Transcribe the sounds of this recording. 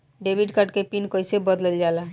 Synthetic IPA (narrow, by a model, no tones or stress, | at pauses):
ɖeːbiɖkəʈkepiːnkəɪsebəd̪ləld͡ʒaːla